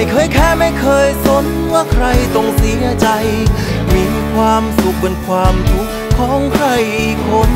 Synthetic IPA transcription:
jkʰɤː˧jkʰɛː˥˩ma˥˩jkʰɤː˧jso˨˥n | waː˥˩kʰɾa˧jt̪o˧ŋsi˩˦ɐt͡ɕa˧jmiː˧ | kʰwaː˧msu˨˩k̚pe˧nkʰwaː˧mt̪ʰu˨˥kʰːɔː˨˩˦ŋkʰɾa˧jkʰo˧˥n

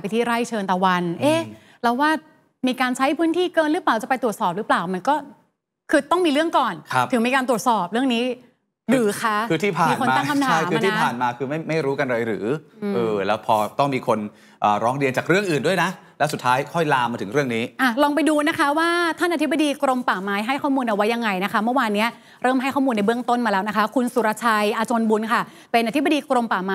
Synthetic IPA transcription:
pa˧jt̪ʰiː˥˩ɾa˥˩jt͡ɕʰɤː˧nt̪ɔː˨˩wa˧nʔeː˦˧˥ | lɛː˦˥waː˥˩ | miː˧kaː˧nt͡ɕʰa˦˥jpʰɯː˦˥nt̪ʰiː˥˩kɤː˧nlɾɯː˦˥plaː˨˩wt͡ɕa˨˩pa˧jt̪u˨˩ət̪sɔː˨˩p̚ɾɯː˦˥plaː˨˩wma˧nkɔː˥˩ | kʰɯː˧t̪ɔ˥˩ŋmiː˧lɯ˥˩əŋkɔː˨˩nkʰa˦˥p̚t̪ʰɯ˩˦miː˧kaː˧nt̪u˨˩ət̪̚sɔː˨˩p̚ɾɯ˥˩əŋniː˦˥ | ɾɯː˩˦kʰa˦˥kʰɯː˧t̪ʰiː˥˩pʰaː˨˧˩nko˧maːa˥˧˩k̪ʰa˧t̪t͡ɕʰaa˥˩jkʰɯː˧t̪ʰiː˥˧˩pʰaː˨˩nmaː˧kʰɯː˧ma˥˩jma˥˩jɾuː˦˥ka˧nɾa˧jɾɯː˩˦˧ʔɤː˧lɛː˦˥wpʰɔː˧t̪ɔ˥˩ŋmiː˧kʰo˧n | ʔəː˨˩ɾɔː˦˥ŋɾi˧ənt͡ɕaː˨˩k̚ɾɯ˥˩əŋʔɯː˨˩ndu˥˩əjna˦˥lɛ˦˥su˨˩t̪ʰːaː˦˥jkʰɔ˥˩jlaː˧mːaː˧t̪ʰɯ˩˦ŋɾɯ˥˩əŋniː˦˥ʔa˧˨˩lɔː˧ŋp̬a˧jduː˧na˦˥kʰa˦˥waː˥˩t̪ʰa˥˩nʔa˧t̪ʰi˦˥ba˧diː˧kɾo˧mpaː˨˩maː˦˥jɦa˥˩jkʰɔː˥˩muː˧nʔa˨˩wa˦˥jːa˧ŋa˧jna˦˥kʰa˦˥mɯ˥˩waː˧nːi˦˥ɐ | ɾɤː˥˩mɦa˥˩jkʰɔː˥˩muː˧nːa˧jbɯ˥˩əŋt̪o˥˩nmaː˧lɛː˦˥wna˦˥kʰa˦˥kʰu˧nsu˨˦ɾaː˧t͡ɕʰa˧jʔaː˧t͡ɕoː˧nbu˧nkʰa˥˩ | pe˧nʔa˧t̪ʰi˦˥ba˧diː˧kɾo˧mpaː˨˩maː˧

